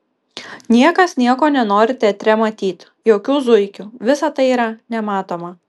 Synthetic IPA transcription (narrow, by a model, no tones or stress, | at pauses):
nʲiɛkɐsnʲiɛkoːnʲɛnoːɾʲɪt̪ʲɛt̪ʲɾʲɛmɐt̪ʲiːt̪ | joːkʲuːzʊɪkʲuʋʲɪsɐt̪ɐɪiːɾɐnʲɛmɑːt̪oːmɐ